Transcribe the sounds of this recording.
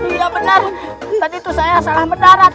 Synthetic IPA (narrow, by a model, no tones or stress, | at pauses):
ijabənərt̪adiːt̪usajasalahməndaɾat̪̚